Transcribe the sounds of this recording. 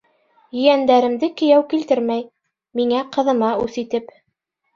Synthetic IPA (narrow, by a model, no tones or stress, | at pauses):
jɵ̆jænd̪æɾɘ̆md̪ɘkɵ̆jæwkilt̪ɘɾmæj | miŋæqɤ̆ðɤ̆mɑʉθit̪ɘp